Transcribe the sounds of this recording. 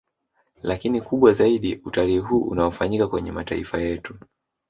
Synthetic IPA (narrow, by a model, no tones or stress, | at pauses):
lakinikuɓwazaiɗiutaliːɦuːʔṵnaɔfaɲikakwɛɲɛmataḭfajɛtu